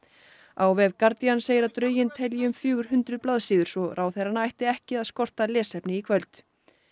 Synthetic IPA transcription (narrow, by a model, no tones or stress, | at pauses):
aːwvɛðkaɾt̪ianseːjɪɾaðt̪ɾœːɥjɪnt̪ʰɛljɪʏmfjʏːɣʏɾ̥hʏnt̪ɾʏðplaðsiːðʏɾ̥sɔɾʔaːwθɛɾanajht̪ɪɛhcɪaðskɔr̥t̪alɛːsɛpnɪikʰvœlt̪